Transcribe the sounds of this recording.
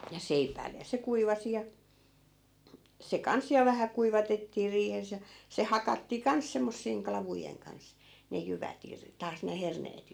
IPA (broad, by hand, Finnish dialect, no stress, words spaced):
jɑ seipæi̯lːe jɑ se kuiʋɑsi jɑ se kɑns jɑ ʋæhæ kuiʋɑtetːiː riːhes jɑ se hɑkɑtːiː kɑns semːosːiːŋ klɑʋujeŋ kɑns ne jyʋæt ir tɑːs ne herneːt